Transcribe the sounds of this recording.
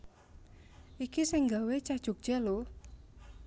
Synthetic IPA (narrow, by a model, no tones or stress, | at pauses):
ʔikisɪŋɡawet͡ʃad̥ʒ̥ṳk̚dʒ̥alo